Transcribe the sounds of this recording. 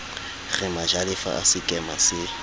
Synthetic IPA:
ɣɪmad͡ʒalɪfa̰ʔa̰sɪkʼɛmasɪ

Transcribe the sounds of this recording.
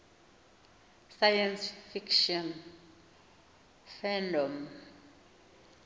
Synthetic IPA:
sajɛnsfikʰʃɔn | fɛndɔm

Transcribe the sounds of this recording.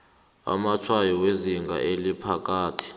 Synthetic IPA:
a̰mat͡ʃʰwajɔweziŋɡʱa̰ʔelipʰak̬ʼaːtʰi̥

